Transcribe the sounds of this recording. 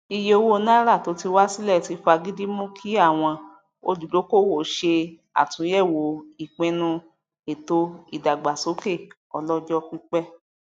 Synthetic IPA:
i˧je˧o˧wo˦nã˦ɾa˦˨to˨˦ti˧wa˦si˦lɛ˦˨ti˧˦fa˧ɡi˦di˦mũ˦kʰi˦a˦˨w̃ɔ̃˧ | o̰˧lu˨do˨˦ko˦˨wo˦˨ʃe˧ | a̰˨tũ˨˦jɛ˦˨wo˨i˨k͡pɛ̃˧˦nũ˧ | e˨to˧i˦˨da˨ɡ͡ba˨so˨˦ke˦˨ | ɔ˧lɔ˦d͡ʒɔ˦ki˦k͡pɛ˦

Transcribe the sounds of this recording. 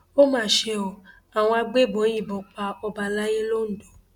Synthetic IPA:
o˦mãː˦˨ʃe˧ɔ˨ | a˨w̃ɔ̃˧a˧ɡ͡be˦˨bõ˨˦j̃ĩ˦˨bɔ˨˦k͡pa˧ɔ˧ba˧la˦je˦lo˦n̩˨do˨˦

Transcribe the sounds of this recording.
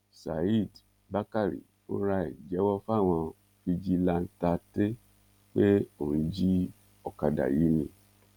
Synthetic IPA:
sa̰˨i˦˨d | ba˦ka˦˨ɾḭ˨ | o̰˦ɾa˧ḭ˨d͡ʒɛ˨˦wɔ˦fa˦˨w̃ɔ̃˧ | fi˧d͡ʒi˦la˦˧n̩˦ta˧te˦ | k͡pe˦o˨ɾ̃ĩ˨˧˦d͡ʒi˦ | ɔ˦˨ka˧da̰˨ji˨˦nĩ˧

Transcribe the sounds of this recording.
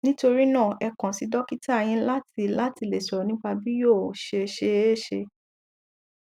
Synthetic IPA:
nĩ˦to˧ɾi˦nãː˦˨ɛ˧kã˨si˧dɔ˦ki˦ta˦˨j̃ĩ˦la˦ti˧la˦ti˧le˨sɔ˨ɔ˨nĩ˦k͡pa˧bi˦jo˦˨ʃe˧e˧˦ʃe˧e˦˨ʃe˧

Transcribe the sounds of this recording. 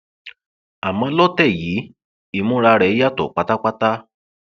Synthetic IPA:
a˨mɔ̃˧˦lɔ˦tɛ˦˨jiː˨˦ | i˦˧˨mũ˦ɾa˧ɾɛ˨˧i˦ja˦tɔ̰˨k͡pa˧ta˦k͡pa˦ta˦

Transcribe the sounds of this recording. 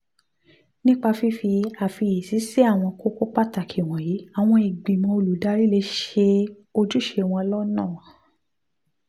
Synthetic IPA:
nĩ˦k͡pa˧fi˧˦fi˧a˨fi˧ji˨si˨˦si˦a˦˨w̃ɔ̃˧ko˦ko˦k͡pa˦ta˨kʰi˨w̃ɔ̃˨ji˨˦a˨w̃ɔ̃˧i˨ɡ͡bi˨mɔ̃˧o˧lu˨da˨˦ɾi˦˨le˧ʃe˧ | o˧d͡ʒu˦ʃe˧w̃ɔ̃˧lɔ˦nãː˦˨ã˨

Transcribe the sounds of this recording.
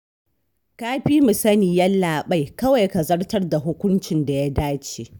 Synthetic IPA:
kaː˦ɸiː˦mʊ˨sɐ˦niː˨jɐ˦lːaː˨ɓa˦jkɐ˦wa˨jka˨zɐ˦rtɐ˦rda˨ɦʊ˦kʷʊ˦nt͡ʃɪ˨nda˨ja˦daː˦t͡ʃeː˨ʔ

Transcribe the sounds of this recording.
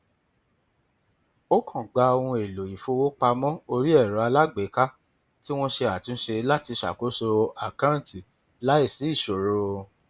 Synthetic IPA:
o˦kʰɔ̃˨ɡ͡ba˧o˧ũ˧e˨lo˨i˨fo˧wo˦k͡pa˧mɔ̃˦o˧ɾi˦ɛ˦˨ɾɔ˨a˧la˦ɡ͡be˨˦ka˦ | ti˦w̃ɔ̃˦ʃe˧a˨tũ˨˦ʃe˧la˦ti˧ʃa̰˨ko˨˦so˧a˨kã˦˨ti˨ | la˨˦i˦˨si˨˦i˦˨ʃo˨ɾo˧

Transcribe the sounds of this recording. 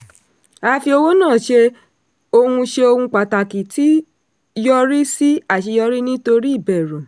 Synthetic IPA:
a˧˦fi˧o˧wo˦nãː˦˨ʃe˧ | o˧hũ˧ʃe˧o˧hũ˧k͡pa˨ta˨ki˨ti˨˦ | jɔ˦ɾi˦si˦a˦˨ʃi˧jɔ˧ɾi˦nĩ˦to˧ɾi˦i˦˨bɛ˨ɾũ˨

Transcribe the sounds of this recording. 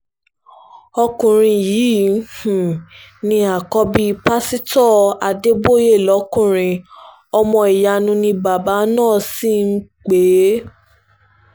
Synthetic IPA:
ɔ˧kũ˨ɾ̃ĩ˧jiː˨˦h̩˨nĩ˧a˨kɔ˧bi˧pa˦si˦tɔ˦˨a˧de˦bo˦je˦˨lɔ˨˦kũ˦˨ɾ̃ĩ˧ | ɔ˧mɔ̃˧i˨ja˧nũ˧nĩ˧ba˨ba˨˦nãː˦˨si˦˨n̩˦k͡pe˨˦

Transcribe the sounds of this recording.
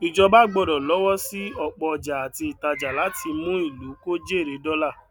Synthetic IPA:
i˨d͡ʒɔ˧ba˦ɡ͡bɔ˧˨dɔ˨lɔ˨˦wɔ˦si˦ɔ˧k͡pɔ˧ɔ˨d͡ʒa˨a˨ti˧i˨ta˧d͡ʒa˨la˨˦ti˧mũ˦i˦˨lu˨˦ko˦d͡ʒe˦˨ɾe˨˦dɔ˦la˦˨

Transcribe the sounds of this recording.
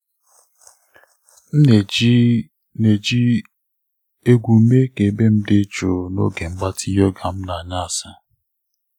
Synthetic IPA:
n̩˦ne˨˦ | ne˨d͡ʒi˦ | e˦ɡʷu˨˦me˦ke˨be˦m̩˦dɪ˦t͡ʃo˨no̰˦ɡe˨ŋ͡m̩˦ɡ͡ba˦tʰi˦jɔ˦ɡa˨m̩˦na˨ɲa˦a˨sa˦

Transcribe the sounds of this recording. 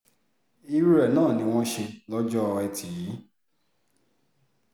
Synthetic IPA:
i˧ɾu˦ɾɛ˨nãː˦˨nĩ˨˦w̃ɔ̃˦ʃe˧lɔ˦d͡ʒɔ˦˧ɛ˧tʰi˨i˨˦

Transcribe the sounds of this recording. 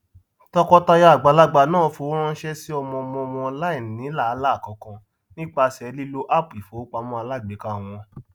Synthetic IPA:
tɔ˧kɔ˧ta˧ja˧a˨ɡ͡ba˨˧˦la˦ɡ͡ba˧˨nãː˦˨fo˨˧˦ɾ̃ã˦n̩˦ʃɛ˦si˦ɔ˧mɔ̃˧ɔ˧mɔ̃˧ɔ˧mɔ̃˧ɔ˧la˦i˦˨n˨nĩ˨˦la˦˨a˨˦la˦˨kɔ̃˨˦kã˧ | nĩ˦k͡pa˧sɛ˧˨˧li˦lo˦ʔa˦˨pi˨fo˨˦k͡pa˧mɔ̃˧˦a˧la˦˨ɡ͡be˨˦ka˦˨w̃ɔ̃˧

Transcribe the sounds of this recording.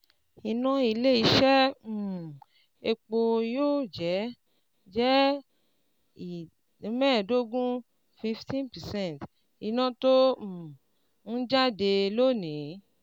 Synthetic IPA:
i˨nã˧i˧le˦i˧˦ʃɛ˦˨ | e˧k͡po˧joː˦˨d͡ʒɛ˨˦ | d͡ʒɛ˦ | i˨˧ | mɛ̃ː˦˨do˦ɡũ˦ | fi˧ftʰĩ˦npɛ˨sɛ̃˦˨t | i˨nã˧tõ˦˨ | n̩˦d͡ʒa˦de˧lo˦˨nĩ˨˦

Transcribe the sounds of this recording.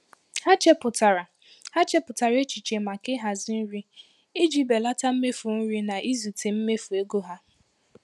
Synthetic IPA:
ha˦t͡ʃe˦pʊ˨ta˨ɾa˨ | ha˦t͡ʃe˦pʊ˨ta˨ɾe˦t͡ʃi˨t͡ʃe˨ma˨kɪ˦ɦa˨zi˦n̩˦ɾi˦ | i˦d͡ʒi˦be˨la˦ta˦m̩˦me˦fu˨n̩˦ɾi˦na˨ʔi˦zu˨te˨m̩˦me˦fu˨e˦ɡo˦ɦa˦

